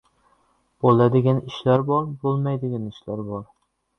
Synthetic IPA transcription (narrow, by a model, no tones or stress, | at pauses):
b̥olˠæd̪ɪɡʲɛniʃlæɾbɒɾbolˠmɛjd̪ɪɡʲɛniʃlæɾbɒɾ